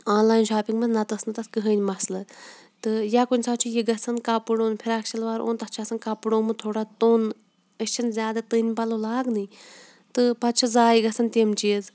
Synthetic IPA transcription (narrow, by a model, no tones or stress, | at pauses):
aːnlaːjnʃaːpiŋɡmɐnnɐt̪ɐsnɨt̪ɐskɨɦəːnʲmɐslɐ | t̪ɨjaːkunʲsʰaːt͡ʃʰujiɡɐsɐnkapɨɽoːnpʰiɾakʃʰɐlʋaːɾʔo̰ːnt̪ɐst͡ʃʰɐsɐnkɐpɨɽoːmɨt̪ʰoːɽat̪oːn | əst͡ʃʰinzʲjaːd̪ɐt̪ɨnʲpɐloːlaːɡnɨ | t̪ɨpɐt̪̚t͡ʃʰɐzaːjiɡɐsɐnt̪ʲemt͡ʃiːz